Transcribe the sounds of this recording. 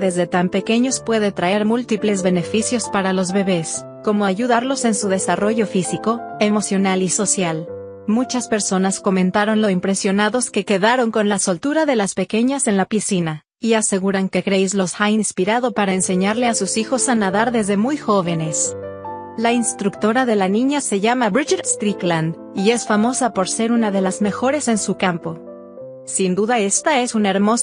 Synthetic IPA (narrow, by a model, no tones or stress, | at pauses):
ðe̞zðe̞t̪ampe̞ke̞ɲo̞spwe̞ðe̞t̪ɾae̞ɾmult̪iple̞zβe̞ne̞fisjo̞spaɾalo̞zβe̞βe̞s | ko̞mo̞aʝuðaɾlo̞se̞nsuð̞e̞saro̞ʝo̞fisiko̞e̞mo̞sjo̞naliso̞sjal | mut͡ʃaspe̞ɾso̞nasko̞mẽnt̪aɾo̞nlo̞simpɾe̞sjo̞naðo̞ske̞ke̞ðaɾo̞ŋko̞nlaso̞lt̪uɾaðe̞laspe̞ke̞ɲase̞nlapisina | iase̞ɣuɾaŋke̞kɾe̞jzlo̞sxainspiɾaðo̞paɾaense̞ɲaɾle̞asusixo̞sanaðaɾðe̞zðe̞mujxo̞β̞e̞ne̞s | lainst̪ɾukt̪o̞ɾaðe̞lanĩɲase̞ʝamaβɾit͡ʃaɾst̪ɾikland̪ | ie̞sfamo̞sapo̞ɾse̞ɾunaðe̞lazme̞xo̞ɾe̞se̞nsukampo̞ | sind̪uðae̞st̪ae̞sunae̞ɾmo̞s